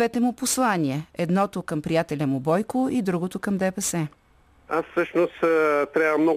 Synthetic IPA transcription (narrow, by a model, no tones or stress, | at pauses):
ɛt̪ɛmʊposlˠaniɛɛd̪nɔt̪okəmpɾijat̪ɛlʲɐmʊbɔjkʊid̪ɾuɡot̪ʊkɐmd̪ɛpɛsɛ | asfsɤʃnost̪t̪ɾʲabvəmnɔ